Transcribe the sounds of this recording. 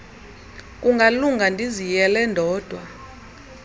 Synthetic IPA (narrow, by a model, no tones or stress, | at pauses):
k̬ʼuŋɡʱaluŋɡʱandʱizijɛlɛndʱɔːd̥ʱwa